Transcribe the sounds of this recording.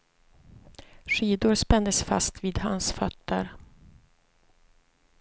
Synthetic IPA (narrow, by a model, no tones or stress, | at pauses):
ʂiːd̪ʊɾspɛnd̪əsfa̰st̪viːd̪ha̰nsfœt̪ʰːəɾ